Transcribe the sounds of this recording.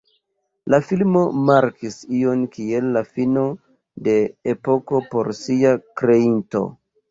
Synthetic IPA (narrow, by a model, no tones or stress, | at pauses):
lafilmo̞maɾkʰisio̞nkielːafino̞ | de̞ːpo̞ko̞po̞ɾsiakɾe̞into̞̰